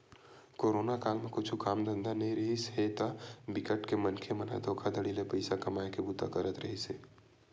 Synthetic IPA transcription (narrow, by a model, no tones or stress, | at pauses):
koːɾoːnakaːlmẽkʊt͡ʃʰukaːmd̪ə̃nd̪anɐɦĩɾɐɦisɦet̪abɪkəʈkemɐnkʰemɐna̰d̪ʱoːkʰad̪əɽilepɐɪsakɐmaːekebut̪a̰kəɾət̪ɾɐɦiseː